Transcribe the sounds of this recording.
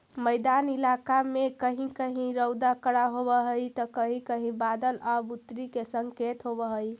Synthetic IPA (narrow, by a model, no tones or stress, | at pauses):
məjd̪anilakamekəɦĩkəɦĩɾəwd̪akəɽaɦobəɦəjt̪əkəɦĩkəɦĩbad̪əlabut̪ɾikesəŋket̪ɦobəɦəj